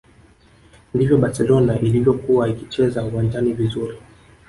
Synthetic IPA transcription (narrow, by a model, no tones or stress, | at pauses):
ndivjɔɓasɛlɔnaʔilivjɔkuwaikit͡ʃɛzauwand͡ʒanivizuɾi